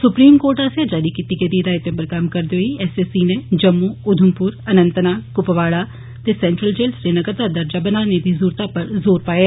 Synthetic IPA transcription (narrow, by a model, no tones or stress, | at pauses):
sʊpɾiːmkoːɾʈaːsjaːd͡ʒaːɾiːkiːt̪iːkeːd̪iːd̪aːɪt̪ebəɾkəmkəɾd̪eɦoiɛːsesiːnẽːd͡ʒəmːuːʊd̪ʱʊmpʊɾənə̃nt̪ənaːkʊpəʋaːɽaː | t̪eːsɛːɳʈɾəld͡ʒeːlsɾeːnəɡəɾd̪aːd̪əɾd͡ʒaːbənaːned̪iːzuːɾt̪aːpəɾzoːɾpaːeː